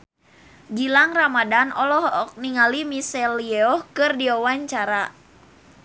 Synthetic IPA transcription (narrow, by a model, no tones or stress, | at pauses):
ɡilaŋramadanʔɔlɔhɔk̚niŋalimisɛliɛɔhkɨrdiɔwaɲt͡ʃaɾa